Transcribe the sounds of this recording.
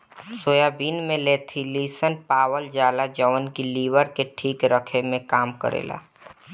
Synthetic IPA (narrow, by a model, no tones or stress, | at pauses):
soːjabiːnmẽleːt̪ʰiliːsənpaːwəld͡ʒaːlad͡ʒəʋənkiliːʋəɾkeʈʰiːkɾəkʰemẽkaːmkə̰ɾḛːla̰ː